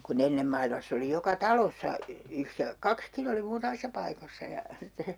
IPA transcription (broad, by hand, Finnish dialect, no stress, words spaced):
kun enːem mɑilmɑsː oli jokɑ tɑlosːɑ yhre kɑkskin oli muːtɑmisːɑ pɑikosːɑ jɑ sitːe